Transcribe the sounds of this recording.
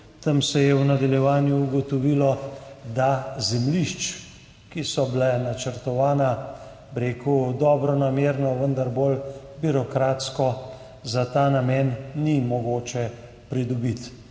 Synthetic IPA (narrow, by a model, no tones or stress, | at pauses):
t̪əmsɛjɛwnad̪aljɛʋaːnjuːɡɔt̪ɔʋilɔd̪azɛmliʃt͡ʃ | kisɔbilɛnat͡ʃəɾt̪ɔʋaːna | bɾeːkud̪ɔːbɾɔnameːɾnɔʋənd̪aɾboːlbiɾɔkɾaːt̪skɔ | zat̪aːnamjɛnːimɔɡoːt͡ʃɛ | pɾid̪ɔbit̪